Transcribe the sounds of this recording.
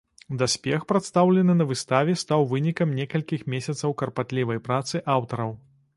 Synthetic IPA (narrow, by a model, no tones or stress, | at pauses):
d̪asʲpʲɛxpɾɐt̪st̪awlʲɛnɨnɐvɨst̪avʲɛst̪awvɨnʲikɐmnʲɛkɐlʲkʲixmʲesʲɐt̪sɐwkɐrpat̪lʲivɐjpɾat̪sɨʔawt̪ɐɾɐw